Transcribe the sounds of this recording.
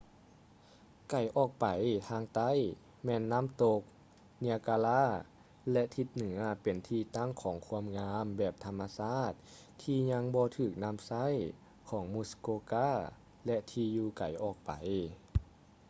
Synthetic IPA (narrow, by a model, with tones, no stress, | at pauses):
ka˨˩jʔɔː˨˩k̚pa˨˩jt̪ʰaː˧ŋt̪a˧˥˩j | mɛː˧˥˨nːa˧˥˨mt̪o˧k̚ | ni˧ə˧kaː˧laː˧˥˨ | lɛ˧ʔt̪ʰi˧t̪̚nɯ˩˦ɐpe˨˩nt̪ʰiː˧t̪a˧˥˨ŋkʰɔː˩˦ŋkʰu˧əmŋaː˧˥mbɛː˨˩p̚t̪ʰa˧mːa˧saː˧˥˩t̪̚ʰ | iː˧ɲa˧˥ŋbɔː˧t̪ʰɯː˨˩k̚na˧˥˨msa˧˥˨j | kʰɔː˩˦ŋmuː˧˩skoː˧kaː˥˩˨ | lɛ˧ʔt̪ʰiː˧juː˧ka̰˨˩jʔɔː˨˩k̚pa̰˨˩j